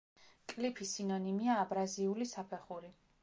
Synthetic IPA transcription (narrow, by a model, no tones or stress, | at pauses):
kʼlipʰisinɔnimiaːbɾaziulisapʰɛχuɾi